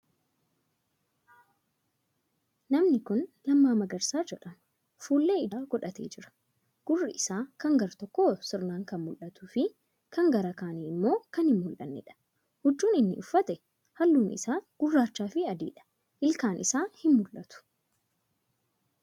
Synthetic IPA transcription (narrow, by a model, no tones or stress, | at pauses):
nɐmnɪkʊnlɐmːaːmɐɡɐɾsaːd͡ʒɛᶑɐmɐ | fuːlːe̞ːɪdaːɡɔᶑɐt̪ḛːd͡ʒɪɾɐ̥ | ɡ̥ʊrːɪɪsaːkɐŋɡɐɾt̪ɔkːoːsɪɾnaːŋkɐnmʊlʔɐt̪ʊfɪ | kɐŋɡɐɾɐkaːniːɪmːo̞ːkɐnhɪmːʊlʔɐ̰nːɛ̰ᶑɐ̥ | hʊd͡ʒːuːnɪnːɪ̰ʔʊfːɐt̪ɛ | hɐlːuːnʔɪ̰saːɡ̥ʊrːaːt͡ʃːaːfɪɐd̪ḭːᶑɐ̥ | ʔɪlkaːnʔɪsaːhɪmmʊlʔɐt̪ʊ̥